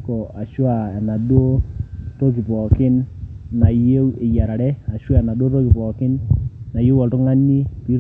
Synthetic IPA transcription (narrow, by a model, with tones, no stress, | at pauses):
kɔ˨a˨ʃwa˦˨ɛ˨na˨do˦to˦ki˨pɔ˨kɪ˦nːa˨je˦e˨ja˨ɾa˨ɾɛ˦a˨ʃwa˦ɛ˨na˨do˦to˦ki˨pɔ˨kɪ˦nːa˨ji˦wɔ˨tu˦ŋa˦nːi˦pi˦ɾ